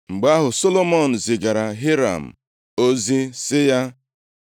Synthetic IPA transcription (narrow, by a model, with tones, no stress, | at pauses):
ŋ͡m̩˨ɡ͡ba˦ɦʊ˨so˦lo˦mɔ˦˨n̩˨zɪ˨ɡa˨ɾa˨ɦi˦ɾa̰˨m̩˨ | o˦zi˦sɪ˦ja˦